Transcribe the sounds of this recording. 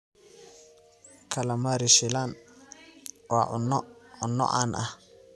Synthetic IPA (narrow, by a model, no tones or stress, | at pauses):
kʰɐlɐmɐɾɪʃɪlaːn | wɑːʔʊnʊnːɔ̰ʔa̰ːnʔɐh